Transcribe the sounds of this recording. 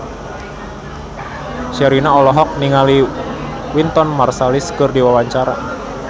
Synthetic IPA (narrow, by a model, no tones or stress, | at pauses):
ʃaɾinaɔlɔɦɔk̚niŋali | wint̪ɔnmarsaliskɨrdiwawaɲt͡ʃaɾa̰